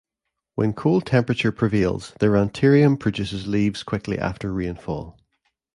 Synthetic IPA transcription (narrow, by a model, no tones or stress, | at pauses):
wə̰̃nkʰolˠdtʰɛ̃mpɹət͡ʃə˞pʰɹ̥ɪvelˠz̥ðəɹãntʰiɹiə̃mpʰɹ̥əd͡ʒʉsɪzlˠiːvz̥kʰw̥ɪkʰlˠḭʔa̰ftə˞ɹiɪ̃nfɔ̰lˠ